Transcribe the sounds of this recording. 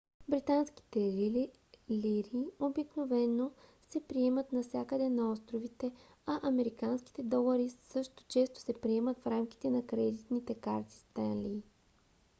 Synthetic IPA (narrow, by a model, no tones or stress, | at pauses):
bɾit̪anski̥t̪ɛ | liɾiobiknovɛnːosɛpɾiɛmət̪nɐfsʲakəd̪ɛnɐɔst̪ɾovit̪ɛ | ɐʔɐmɛɾikanski̥t̪ɛd̪ɔlˠɐɾisɤʃt̪o̥t͡ʃɛst̪o̥sɛpɾiɛmət̪fɾamki̥t̪ɛnɐkɾɛd̪it̪nit̪ɛkaɾt̪i̥st̪anliː